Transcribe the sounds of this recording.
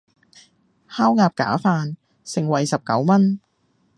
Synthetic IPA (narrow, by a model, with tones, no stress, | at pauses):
haː˥wŋaː˨˧p̚ka̰ː˨˥faː˧n | sɪ˨˩ŋwɐ˨˩jsɐ˨p̚kɐ˨˥wmɐ˥n